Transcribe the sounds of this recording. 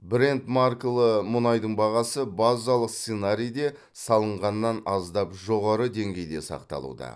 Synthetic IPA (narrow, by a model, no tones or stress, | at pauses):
bɾe̞nt̪marklˠəmʊnɑjd̪əɴbɑʁɑsəbazɑlˠəqst̪senaɾʲijd̪e̞ | sɑlˠəɴʁɑnːɑnɑzd̪ɑpʒo̞ʁɑɾəd̪e̞ŋɡʲe̞jd̪e̞sɑ̰qt̪ɑ̰lˠṵd̪ɑ̰